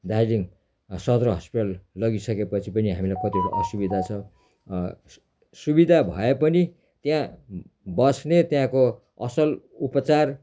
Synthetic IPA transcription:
d̪ajliŋ | sʌd̪rʌɦʌspiʈallʌɡisʌkepʌt͡sʰipʌniɦamilajkʌt̪ioɾoʔʌsubid̪ʱat͡sʰʌ | subid̪ʱabʱʌ̰epʌni | t̪jã | bʌsnet̪jãko | ʌ̰sʌl | upʌt͡sar

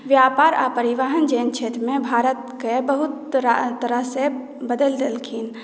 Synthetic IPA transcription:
ʋjaːpaːɾa̰ːpəɾiʋaːɦənd͡ʒeːnt͡ʃʰeːt̪ɾmẽbʱaːɾət̪kebəɦʊt̪ɾt̪ːəɾəɦse | bəd̪əld̪elkʰiːn

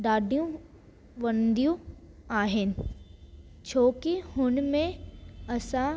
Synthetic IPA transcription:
ɖaːɖijũ | ʋɐnd̪ijũ | aːɦɪnɪ̆ | t͡ʃʰoːkihʊnmẽɐsã

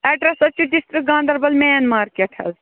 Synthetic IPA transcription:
ɛɖɾesɐt͡ʃːiɖisʈɾik̚ɡãːnd̪ɐɾbɐlmeːnmaːɾkeʈʰhɐ̰l

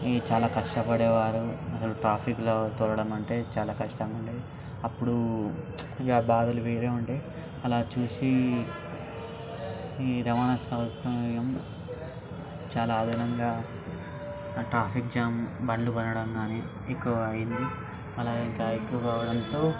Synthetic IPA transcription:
it͡ʃaːlaːkɐʂʈɐpɐɽɛːʋaːɾuɐsɐluʈɾaːpʰikloːt̪ɔɾɐɽɐmɐɳʈe̞ːt͡ʃaːlaːkɐʂʈɐmɐɳʈeː | ɐpːuɽu | aːbaːd̪ɐluʋeːɾe̞ːuɳʈe̞ː | ɐlaːt͡ʃuːsi | ɾɐʋaːnɐsɐʋtɐjɐm | t͡ʃaːlaːd̪ʱanɐŋɡaː | ʈɾaːpʰik̚d͡ʒaːmbɐɳluɡɐnɐɽɐmɡaːniː | ekːuʋɐɐjind̪i | ɐlaːɡeink̪ɐjkukaːʋɐɽɐnt̪o̞ː

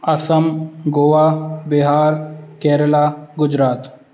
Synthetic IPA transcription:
ɐsəmɡoʋaːbɪɦaːɾkɛːɾəlaːɡʊd͡ʒɾaːt̪

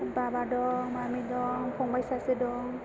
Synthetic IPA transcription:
babadɔŋmamidɔŋpʰɔŋbajsasɯdɔŋ

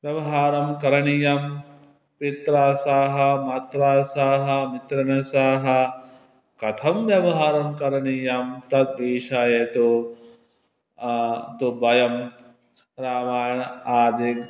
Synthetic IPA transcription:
ʋjɐʋɐɦaːɾɐmkɐɾɐɳijɐm | pit̪ɾaːsaːɦɐmɐt̪ɾaːsaːɦɐmit̪ɾɐnɐsaːɦɐ | kɐt̪ʰɐmʋjɐʋɐɦaːɾɐmkɐɾɐɳijɐmt̪ɐt̪̚biːʂaːjet̪u | t̪ubɐjɐm | ɾaːmaːjɐɳɐaːd̪ik

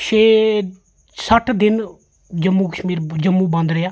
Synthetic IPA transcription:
ʃeː | səʈʰd̪ɪn | d͡ʒəmːuːkəʃmiːɾd͡ʒəmːũːbãnd̪ɾeaː

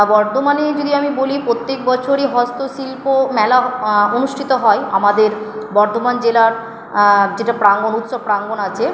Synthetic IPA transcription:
bɔɾt̪omaned͡ʑod̪iamibolipɾot̪ːek̚bɔt͡ɕʰoɾeɦɔst̪osilpomɛlaonuʃʈʰit̪oɦɔea̰mad̪eɾbɔɾt̪omand͡ʑelaɾ | d͡ʑeʈapɾaŋɡonut̪ʃob̚pɾaŋɡonat͡ɕʰe

